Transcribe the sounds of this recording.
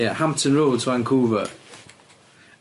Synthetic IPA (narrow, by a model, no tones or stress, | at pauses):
ɛhãmp̚tʰə̃nɹoːlˠdzʰwãŋkʰuːvə̰